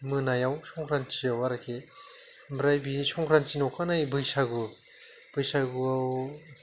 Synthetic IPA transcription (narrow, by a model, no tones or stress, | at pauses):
mɯnajawsɔŋkʰɾant͡ʃiawaɾakʰe | bɾajbisɔŋkʰɾant͡ʃinɔwkʰanajbɯjsaɡu | b̥ɯjsaɡuaw